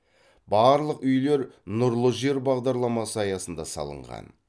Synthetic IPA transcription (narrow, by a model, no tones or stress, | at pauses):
bɑɾlˠəqʏjle̞ɾnʊɾlˠəʒe̞ɾbɑʁd̪ɑɾlˠɑmɑsəɑjɑsənd̪ɑsɑ̰lˠə̰ɴʁɑ̰n